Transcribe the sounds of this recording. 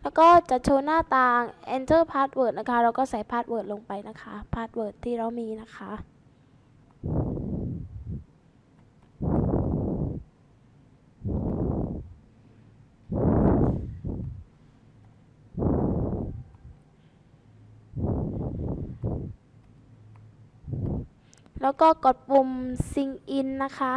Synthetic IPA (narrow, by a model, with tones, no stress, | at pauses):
lɛː˦˥wkɔː˥˩t͡ɕa˨˩ʔ̚t͡ɕʰoː˧naː˥˩t̪aː˧ŋʔɛː˧nt̪ɤː˥˩pʰaː˦˥˩t̪̚wɤː˨˩t̪̚na˦˥kʰa˦˥˩ɾa˧˥wkɔː˥˩sa˨˩˦jpʰaː˥˩t̪̚wɤː˨˩t̪̚lo˧ŋpa˧jna˦˥kʰa˦˥pʰaː˥˩t̪̚wɤː˨˩t̪ʰːiː˥˩ɾa˧˩wmiː˧na˦˥kʰa˦˥ʔ | lɛː˦˥wkɔː˥˩ko˨˩t̪̚pu˧msi˧ŋʔi˧nːa˦˥kʰa˦˥